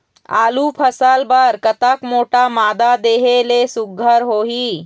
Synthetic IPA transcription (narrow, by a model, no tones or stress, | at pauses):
a̰ːlupʰəsəlbəɾkət̪əkmoːʈamaːd̪ad̪eːɦelesuɡʱːəɾɦoːɦiː